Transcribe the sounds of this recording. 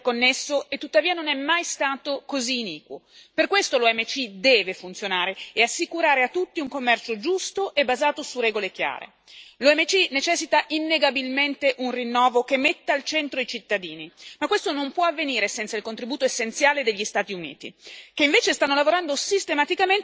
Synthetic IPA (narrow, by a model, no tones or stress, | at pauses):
kːonːesːoet̪ːut̪ːaviːanonɛmːajst̪aːt̪okoziːniːkwo̰ | perkwest̪oloɛmːet͡ʃid̪ɛːvefunt̪sjonaːɾeeasːikuɾaːɾeat̪ːut̪ːiuŋkomːɛrt͡ʃod͡ʒust̪oʔebːazaːt̪osurɛːɡolek̟ja̰ːɾḛ | loɛmːet͡ʃinet͡ʃɛsːit̪aʔinːeɡabilment̪eʔunrinːɔːvok̟emːet̪ːaalt͡ʃɛnt̪ɾod̪et͡ʃit̪ːad̪iːnimakːwest̪onompwɔavːeniːɾesɛnt̪sailkont̪ɾibuːt̪oesːent̪sjaːled̪eʎːist̪aːt̪iunḭːt̪ḭk̟eiɱveːt͡ʃest̪anːolavoɾand̪osist̪emat̪ikamen